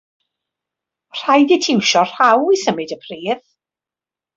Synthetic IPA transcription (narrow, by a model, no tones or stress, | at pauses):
r̥ajðitʰɪwʃɔr̥awisəmɨdəpʰriːð